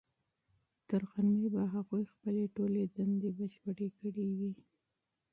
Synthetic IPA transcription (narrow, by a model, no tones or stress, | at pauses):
t̪əɾɣanebaɦaɣujxpəleʈoled̪and̪ebəʃpəɽekəɽewi